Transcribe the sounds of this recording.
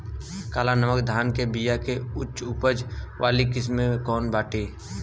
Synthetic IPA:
kaːlanəməkd̪ʱaːnkebiːjakeʊtːʃʊpəd͡ʒʋʔaːlikɪsmeẽkɔːnbaːʈeː

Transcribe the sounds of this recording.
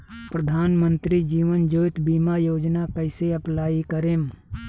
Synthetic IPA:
pɾəd̪ʱaːnmə̃nt̪ɾid͡ʒiːʋənd͡ʒoːt̪biːmajoːd͡ʒnakəɪseɐplaːikəɾeːm

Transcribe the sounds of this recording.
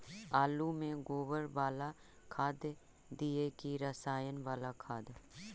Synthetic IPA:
aːlumẽɡoːʋəɾʋaːla | kʰaːd̪ | d̪iekiɾəsaːjənʋaːlakʰaːd̪

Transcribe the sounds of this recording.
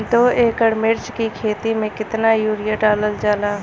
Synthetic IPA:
d̪oeːkəɽmɪɾt͡ʃkikʰeːt̪imẽkɪt̪najuːɾɪjaʈaːləld͡ʒaːlaː

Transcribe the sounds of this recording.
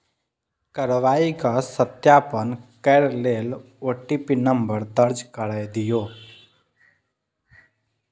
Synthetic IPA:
kəɾʋaikasət̪japənkəɾlel | oʈːipinəmbəɾd̪əɾd͡ʒkəɽajd̪ijo

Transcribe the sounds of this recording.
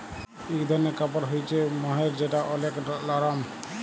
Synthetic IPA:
ikd̪ʱɔɾnekapɔɾɦojt͡ʃʰemɔɦeɾd͡ʒeʈaʔɔleklɔɾam

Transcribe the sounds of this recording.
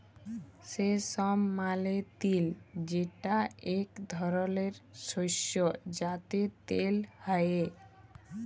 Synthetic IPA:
sesɔmːalet̪ild͡ʑeʈaekd̪ʱɔɾoleɾʃoʃod͡ʑat̪et̪elhaje

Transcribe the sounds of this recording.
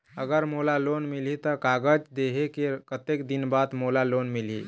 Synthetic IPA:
əɡəɾmolalonmilɦit̪əkaɡəd͡ʒd̪eɦekekət̪ekd̪inbad̪molalonmilḭ

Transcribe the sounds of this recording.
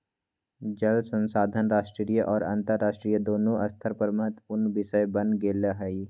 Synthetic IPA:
d͡ʒɐlsə̃nsaːd̪ʱənɾaːʃʈɾiːjəʔɔːɾã̰nt̪əɾːaːʃʈɾiːjəd̪oːnõʔɐst̪ʰəɾpəɾməɦət̪ʊnbɪʃəjbɐnɡeːləɦɐi

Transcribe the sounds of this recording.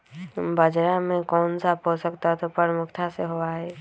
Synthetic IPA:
bəd͡ʒɾamẽkɔːnsapɦosəkt̪aɦt̪opəɾmʊkʰt̪ʰaseɦoaɦɛː

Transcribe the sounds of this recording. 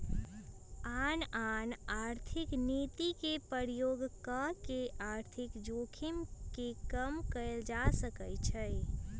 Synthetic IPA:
aːnanaːɾt̪ʰɪkniːt̪ikepəɾjoːɡkəkeʔaːɾt̪ʰɪkd͡ʒoːkʰimkekəmkəld͡ʒasəkət͡ʃʰəj

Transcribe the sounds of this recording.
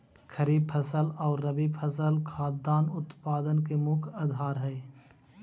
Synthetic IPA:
kʰəɾiːb̚pʰəsəlɔːɾːɐbipʰəsəlkʰaːt̪̚d̪aːnʊt̪paːd̪ənkemʊkʰɐd̪ʱaːɾɦɛe

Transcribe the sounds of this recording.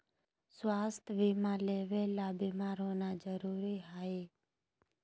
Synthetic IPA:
swast̪ʰʋimãleʋelabimaɾonad͡ʒəɾuɾiɦae

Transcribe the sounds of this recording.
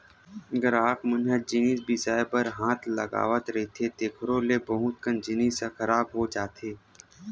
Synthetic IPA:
ɐɡəɾaːkmənɦəd͡ʒɪniːsbɪsaːepəɾɦãːt̪ʰlɐ̰ɡa̰ːʋət̪ɾɐɦit̪ʰet̪eːkʰɾõlebɐɦʊ̃t̪kənd͡ʒɪniːsekʰɐɾaːbɦod͡ʒaːt̪ʰeː

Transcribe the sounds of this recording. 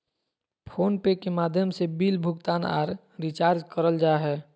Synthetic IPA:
pʰoːnpekemaːd̪ʱjəmsebiːlbʱʊɡt̪aːna̰ːɾ | ɾit͡ʃaːɾd͡ʒkəɾəld͡ʒaːɦɛː

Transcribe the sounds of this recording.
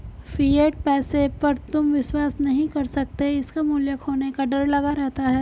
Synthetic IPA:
fieːʈ̚pɛːsepɐɾt̪ʊmʋɪʃwaːsnɐɦĩkɐɾsɐk̚t̪eɪskamʊljəkʰɦoːnekaɖɐɾlɐɡaɾɛɦt̪aɦɛː

